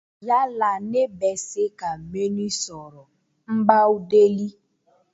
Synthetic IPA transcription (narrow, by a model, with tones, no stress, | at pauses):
ja˦la˨ne˦bɛ˨sɪ˦ka˨me˦ni˦sɔ˨ɾɔ˨ | m̩˦ɡ͡ba˦u˦de˦li˦